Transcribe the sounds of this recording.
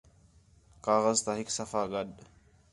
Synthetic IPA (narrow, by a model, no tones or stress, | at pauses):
kaɣazt̪ahiksafaɡaɗ